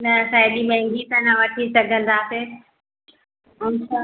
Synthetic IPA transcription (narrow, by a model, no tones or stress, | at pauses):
nɐsãːɗimɛ̃ɦɪ̃ŋɡit̪ãnãʋɐʈʰisɐɡʱə̃n̆d̪aːse | ʊnsa